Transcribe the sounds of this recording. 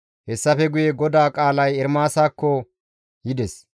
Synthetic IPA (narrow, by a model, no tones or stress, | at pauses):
hɛsːɐfɛɡʊjeɡɔd̪aːkʼaːlɐjɛɾmaːsaːkːɔ | jɪd̪ɛs